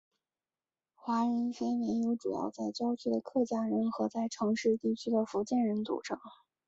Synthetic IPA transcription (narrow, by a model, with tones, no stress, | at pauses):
xwa˧˥ɻə˧˥nfe˥ɪmjɛ˧˥njo˧˥ʊʈ͡ʂṵ˨˩jɑ̰˥˧ʊt͡sa˥˩ɪt͡ɕjɑ˥ʊt͡ɕʰy˥d̪ə˨kʰɤ˥˩t͡ɕja˥˩ɻə˧˥nxɤ˧˥t͡sa˥˩ɪʈ͡ʂʰɤ˧˥ŋʂɻ̩˥˧t̪i˥˩t͡ɕʰy˥d̪ə˨fu˧˥t͡ɕjɛ˥˩nɻə˧˥nt͡sṵ˨˩ʈ͡ʂʰɤ˧˥ŋ